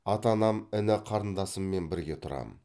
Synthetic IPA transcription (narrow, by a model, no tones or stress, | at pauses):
ɑt̪ɑnɑmɪnɪqʰɑɾənd̪ɑsəmːe̞nbɪɾɡʲe̞t̪ʰʊɾɑ̰mə